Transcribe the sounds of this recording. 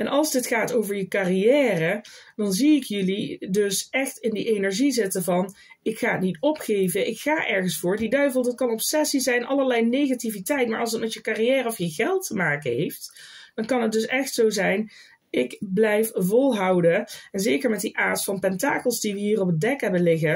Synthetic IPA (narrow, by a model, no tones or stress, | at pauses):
ɛnʔɑlˠzdɪtχaːtowvəɹjəkarijɛːrəd̥ɑnziɪkjɵlidɵsɛxtɪndiʔejnɛɹʒizɪtəvɑn | ɪkxaːətnitɔpχejvəʔɪkxaːʔɛɹχənsfʊːɹdidœɥvəlˠdɑt̚kɑnɔpsɛsizɛjnʔɑləɹlɛjnejɣativitɛjtmaːɹɑlˠsət̚mɛtjəkarijɛːrəɔfjəɣɛlˠtəmaːkənɦejftd̥ɑnkɑnɦət̚dɵsɛxtsowzɛjn | ʔɪkblɛjfvɔlˠɦɑwdəɛnzejkəɹmɛt̚diʔaːtfɑnpɛntaːkəlˠzdiʋəɦiːrɔpət̚dɛkɦɛbənlɪɣə